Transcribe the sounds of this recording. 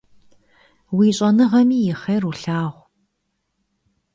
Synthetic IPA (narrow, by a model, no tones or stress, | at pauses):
wiːɕʼɐnɨʁɐmiːjɪχɐjruɬaːʁʷ